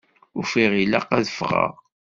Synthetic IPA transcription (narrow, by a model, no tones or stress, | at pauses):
ʊɾfiʁila̰qæðəfʁa̰ʁ